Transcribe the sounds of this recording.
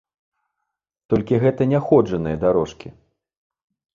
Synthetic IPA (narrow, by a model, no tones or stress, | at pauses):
t̪ɔlʲkʲiɣɛt̪ɐnʲɛxɔd͡ʐɐnɨjɐd̪aɾɔʂkʲi